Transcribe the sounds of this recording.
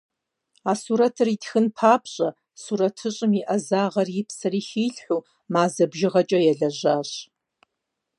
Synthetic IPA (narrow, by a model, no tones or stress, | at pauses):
aːsuɾɐtʰɨritxɨnpʰaːpʰɕʼɐ | suːɾɐtʰɨɕʼɨmiʔɐzaːʁɐrjɪpsɐriːxiːɬħʷuː | maːzɐbʒɪʁɐt͡ʃʼɐjɛɮɐʑaːɕ